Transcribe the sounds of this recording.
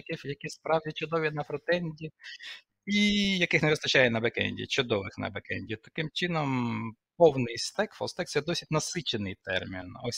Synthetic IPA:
kɪfjɐkʲispɾɑwdʲit͡ʃʊd̪ɔʋʲinɐfɾɔt̪ɛnʲdʲi | ijɐkɪxneʋɪst̪ɐt͡ʃajɛnɐbekɛ̰nʲdʲḭt͡ʃʊd̪ɔʋɪxnɐ̰bekɛ̰nʲdʲit̪ɐ̥kɪmt͡ʃɪnɔm | pɔwnɪjst̪ɛkfɔ̰st̪ɛk̚t̪sɛd̪ɔsʲidʲnɐsɪt͡ʃenɪjt̪ɛ̰rmʲḭnɔ̰sʲ

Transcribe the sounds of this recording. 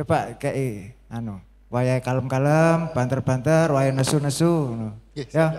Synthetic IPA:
t͡ʃopaʔkɛʔianu | wajakaləmkaləmb̥ant̪ərb̥ant̪ərwajanəsunəsunoja

